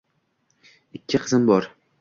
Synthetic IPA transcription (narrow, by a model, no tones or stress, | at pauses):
ɪkʲʰːɪqʰɨzɪmbɒɾ